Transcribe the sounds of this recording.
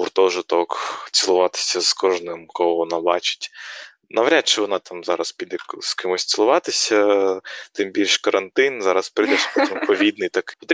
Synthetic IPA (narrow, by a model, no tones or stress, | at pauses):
ʊrt̪ɔʒɪt̪ɔkt͡sʲɪlˠʊʋɑt̪ɪ̥sʲɐzkɔʒnɪmkɔɦɔʋɔnɑbɑ̰t͡ʃɪ̥tʲ | nɐʋɾʲat̪̚ʲt͡ʃɪʋɔnɑt̪ɑmzɑɾɐspʲid̪ɛskɪmɔsʲt͡s̪ʲɪlˠʊʋɑt̪ɪsʲɐ | t̪ɪmbʲilʲʃkɐɾʔɐnt̪ɪnzɑɾɐspɾɪd̪ɛʃpɔtʲimpɔʋʲid̪̚nɪjt̪ɐkpɔt̪ɾʲi